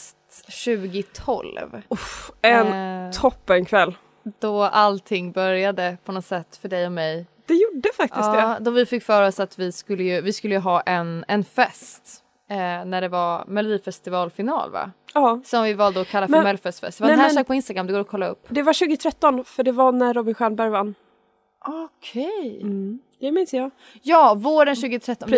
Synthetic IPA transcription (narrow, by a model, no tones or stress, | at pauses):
st̪ | ɕʉ̟ːɡɪt̪ʰɔ̰lvuɛnt̪ʰɔpːɛnkʰvɛlː | d̪̥ɔʔalt̪ʰɪŋːbœɾjad̪əpʰɔnɔt̪sɛt̪ːfœɖɛjɔmɛjd̪̥ɛjuɖəfak̚t̪ɪɑsːd̪ɛd̪ɔvɪfɪkːfœːɾɔsat̪vɪskɵlːəjɵvɪskɵlːəjɵɦɑːʔɛnɛnfɛst̪ː | næɖɛvaɾmɛlʊd̪iːfɛst̪ɪvɑːlfɪnɑ̰ːlva̰ɑːsɔmvɪvɑːld̪əɔkʰalːafmɛlfɛst̪fɛ̰st̪ɛvaɛhæʂɑːkpɔɪnst̪aɡɾamːd̪ɛɡoːɾɔkʰɔlːaɵ̰pːd̪ɛvaɕʉ̟ːɡət̪ʰɾɛt̪ːɔnfœɖɛvanæːɔbɪnɧɛːnbæɾjvanː | ɔkʰɛjd̪̥ɛmɪnsjɑː | jɑːvoːɾənɕʉ̟ːɡɪt̪ʰɾɛt̪ːɔ